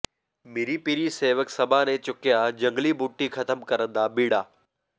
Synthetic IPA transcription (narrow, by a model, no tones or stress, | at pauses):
mɪɾipiɾiseːʋəksɐbʱanẽt͡ʃʊkɪjad͡ʒɐ̃ŋɡlibuːʈːixʰɐt̪əmkɐɾə̃nd̪abiːɽaː